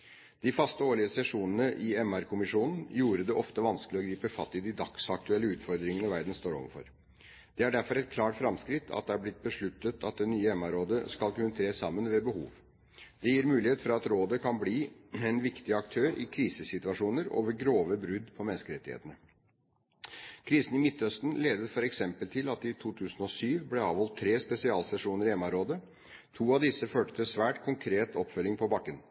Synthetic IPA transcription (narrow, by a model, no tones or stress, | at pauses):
d̪̥ɪfɑst̪əoːɭɪəsɛʂuːnənəʔɪɛmæɾkʰʊmɪʂuːnn̩juːɾəd̪ɛʔɔft̪əʋɑnskəlɪɔɡɾiːpəfɑt̪ːɪd̪ɪd̪ɑksɑk̚t̪ʉɛlːəʉːt̪fɔɾd̪ɾɪŋənəʋæɾd̪n̩st̪oːɾɔ̰ʋəɾfɔ̰ɾ | d̪̥ɛæɖæɾfɔɾɛt̪̚kʰlɑːʈfɾɑmskɾɪt̪ʰɑ̰t̪̚d̪ɛæɾblɪt̪̚bəʂɭʉt̪ːət̪ʰɑt̪̚d̪ɛnːyːəɛmæɾoːd̪əskɑlkʉnːət̪ʰɾeːsɑmːənʋɛbəhṵːʋ | d̪̥ɛjiːɾmʉːlɪheːt̪fɔɾɑt̪ɾoːd̪əkʰɑnbliːɛnʋɪkt̪ɪɑkt̪ʰøːɾɪ̰kʰɾiːsəsɪt̪ʉɑʂuːnəɾo̰ːʋəɾɡɾoːʋəbɾʉd̪pʰɔmɛnəskəɾɛt̪ːɪhḛːt̪ənə | kʰɾiːsənɪmɪt̪ːœst̪nleːd̪ət̪fɔɾɛksɛmpəlt̪ʰɪlɑt̪ɪt̪ʰuːt̪ʰʉːsn̩ɔsyːʋblɛɑːʋhɔlt̪ʰːɾeːspɛsɪɑːlsɛʂuːnəɾɪɛmːɑɾoːd̪ə | t̪ʰuːɑʋd̪ɪsːəføːʈə̥t̪ʰɪsʋæːʈkʰʊŋkʰɾeːt̪ʰɔpfœlːɪŋpʰɔbɑkːən